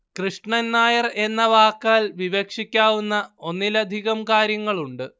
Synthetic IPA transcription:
krɨʂɳɐnːaːjɐre̞nːɐʋaːkːaːlʋiʋekʂikʲːaːʋunːɐo̞nːilɐd̪ʱiɣɐmkaːɾjɐŋːɐɭuɳɖɨ

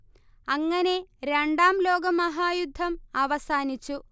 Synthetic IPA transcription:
ɐŋːɐne̞ɾeɳɖaːmlo̞ːɡɐmɐɦaːjud̪ʱːɐmɐʋɐsaːnit͡ɕːu

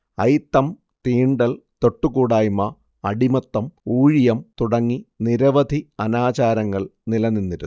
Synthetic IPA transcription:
ɐjt̪ːɐm | t̪iːɳɖɐl | t̪o̞ʈːukuːɽaːjmɐ | ɐɽimɐt̪ːɐmuːɻijɐmt̪uɽɐŋːiniɾɐʋɐd̪ʱiɐnaːt͡ɕaːɾɐŋːɐɭnilɐninːiɾu

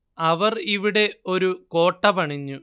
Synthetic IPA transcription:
ɐʋɐriʋiɽe̞o̞ɾuko̞ːʈːɐpɐɳiɲːu

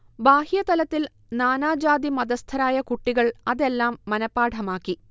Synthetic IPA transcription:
baːhijɐt̪ɐlɐt̪ːil | naːnaːd͡ʑaːd̪imɐd̪ɐst̪ʰɐɾaːjɐkuʈːiɣɐɭɐðe̞lːaːmːɐnɐpːaːʈʰɐmaːkːi

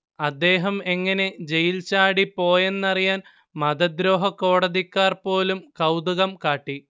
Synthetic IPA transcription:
ɐd̪ːe̞ːɦɐme̞ŋːɐne̞d͡ʑe̞jilt͡ɕaːɽipo̞ːje̞nːɐrijaːn | mɐd̪ɐd̪ɾo̞ːɦɐkːo̞ːɽɐðikːaːrpo̞ːlumkɐwd̪uɣɐmkaːʈːi

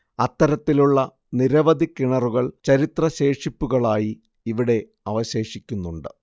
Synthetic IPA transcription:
ɐt̪ːɐɾɐt̪ːiluɭːɐ | niɾɐʋɐd̪ikːiɳɐruɣɐɭt͡ɕɐɾit̪rɐɕe̞ːʂipːuɣɐɭaːjiː | ʋiɽe̞ | ɐʋɐɕe̞ːʂikʲːunːuɳɖɨ

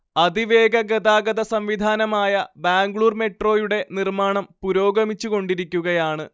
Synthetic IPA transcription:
ɐd̪iʋe̞ːɡɐɡɐd̪aːɡɐðɐsɐmʋid̪ʱaːnɐmaːjɐbaːŋɡɭuːrme̞ʈro̞ːjuɽe̞nirmaːɳɐmpuɾo̞ːɡɐmit͡ɕːuɣo̞ɳɖiɾikʲːuɣɐjaːɳɨ

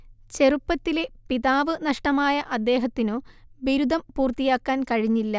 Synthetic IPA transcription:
t͡ɕe̞rupːɐt̪ːile̞piðaːʋɨnɐʂʈɐmaːjɐʔɐd̪ːe̞ːɦɐt̪ːinoːʋiɾud̪ʱɐmpuːrt̪ijaːkːaːnkɐɻiɲːilːɐ

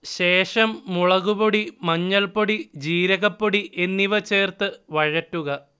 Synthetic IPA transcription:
ɕeːʂɐmːuɭɐɣuboɽimɐɲːɐlpoɽid͡ʑiːɾɐɣɐpːoɽiʔe̞nːiʋɐt͡ɕe̞ːrt̪ɨʋɐɻɐtːuɣɐ

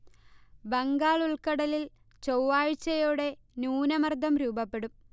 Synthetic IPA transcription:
bɐŋɡaːɭuɭkɐɽɐlil | t͡ɕowʋaːɻt͡ɕːɐjoːɽe̞ | nuːnɐmɐrd̪ʱɐmɾuːbɐpːe̞ɽum

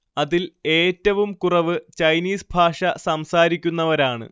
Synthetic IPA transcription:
ɐðile̞ːtːɐʋumkurɐʋɨt͡ɕɐjniːsbʱaːʂɐsɐmsaːɾikʲːunːɐʋɐɾaːɳɨ̰

